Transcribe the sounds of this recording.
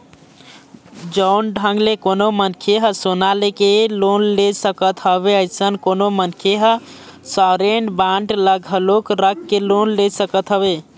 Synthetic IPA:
d͡ʒənɖʱəŋɡlekonomənkʰeɦəsonalekelonlesəkət̪ɦəβeəɪsənkonomənkʰeɦsəɾenbaɳʈləɡʱəlokɾəkːelonlesəkət̪ɦəbe

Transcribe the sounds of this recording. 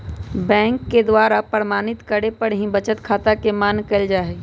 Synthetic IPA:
bɛ̃ːŋkːed̪waːɾapəɾmaːnɪt̪kəɽepəɽɦĩbət͡ʃət̪kʰaːt̪akemaːnkəld͡ʒaːɦe

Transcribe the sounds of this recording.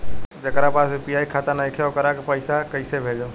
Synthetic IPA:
d͡ʒəkɾapasepijaikʰat̪anaikʰjakəɾakepəɪsakəɪsebʱed͡ʒa

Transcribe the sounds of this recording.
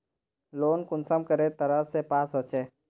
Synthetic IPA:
loːnkʊnsəmkəɾet̪əɾəsepaːsɦoːt͡ʃeː

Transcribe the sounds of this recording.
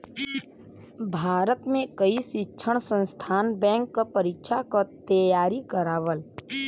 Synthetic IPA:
bʱaːɾət̪mẽkəisɪkːʃʰəɽ̃sə̃nst̪ʰaːnbɛ̃ːŋkːapəɾɪkʃakat̪əjaːɾikəɾaːʋəl

